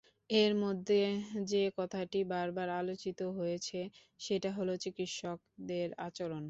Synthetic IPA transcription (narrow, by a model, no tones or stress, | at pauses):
eɾmod̪ʱːed͡ʑekɔt̪ʰaʈibaɾbaɾalot͡ɕit̪oɦojet͡ɕʰe | ʃeʈaɦolot͡ɕikit̪ʃɔk̚d̪eɾa̰t͡ɕoɾon